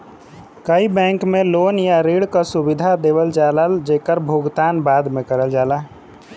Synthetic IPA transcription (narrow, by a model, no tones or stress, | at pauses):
kəibɛ̃ːŋkmẽloːnjaɾeːɽkasʊbɪd̪ʱad̪eːʋəld͡ʒaːləld͡ʒeːkəɾbʱoːɡt̪aːnbaːd̪mẽkəɾəld͡ʒaːlaː